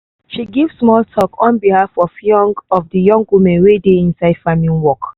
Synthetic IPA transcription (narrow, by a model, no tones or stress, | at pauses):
ʃiɡivssmɔltʰɔkʰɔ̃nbihafɔfjɔ̃ŋɡɔfdəjɔ̃ŋɡwumɛ̃nwedeĩnsaɪd̥famĩnwɔk